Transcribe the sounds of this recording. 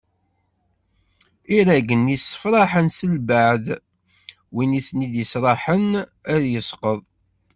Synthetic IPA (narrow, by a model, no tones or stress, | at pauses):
iɾæɡənisːə̥fɾˤɑħənsəlbaʕð | winiθnid̪əsɾˤɑħənæðjəsqəðˤ